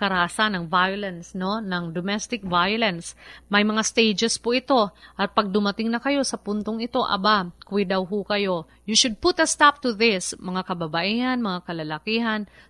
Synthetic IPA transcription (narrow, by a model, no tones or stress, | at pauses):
kɐɾasanɐŋvajʊlɐnsno̞nɐŋd̪omɛst̪ɪk̚vajʊlɐnsmɐjmɐŋast̪ejd͡ʒɛspoʔɪt̪o̞ʔɐt̪̚pɐɡ̚d̪ʊmɐt̪ɪŋnɐkɐjo̞sɐpunt̪o̞ŋɪt̪o̞ʔɐ̰bakʊɪd̪ɐwɦukɐjo̞ | juʃʊd̪̚put̪ɐst̪ap̚t̪ʊðɪsmɐŋakɐbɐbɐʔihɐnmɐŋakɐlɐlɐkiːɦɐn